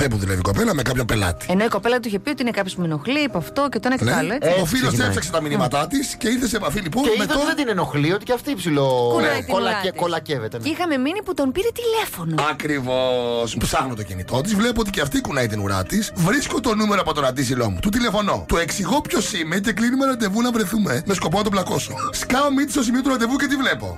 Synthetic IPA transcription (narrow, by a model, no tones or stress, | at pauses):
pepuðulevikopelɐmekɐpçompe̞lɐ̰t̪i̥enoiko̞pelɐðt̪uiçepiot̪iinekɐpçosumenoxlipɐft̪ocet̪oinekneɐloofilosefsɐkset̪ɐminimɐt̪ɐt̪isce̞iɾθeseːpɐfiliponemt̪oed̪inenoxliot̪iceɐft̪iipsiloknɐlɐkolɐcevet̪eixɐme̞miniput̪o̞npiɾet̪ile̞fo̞noɐkɾivo̞spsɐɣnot̪ocinḭt̪o̞t̪̬izvlep̬oot̪iceɐft̪ikunɐit̪inuɾɐ̰t̪isvɾiskot̪o̞numeɾoɐpot̪o̞nɐnd̪isilo̞̰mut̪ut̪ile̞fo̞no̞̰t̪ueksiɣopço̞simece̞klinumeɾɐnd̪e̞vunɐvɾeθumemesko̞pomet̪oblɐko̞suskɐomit̪iso̞s̬imiot̪uɾɐnd̪e̞vucet̪ivle̞po̞̰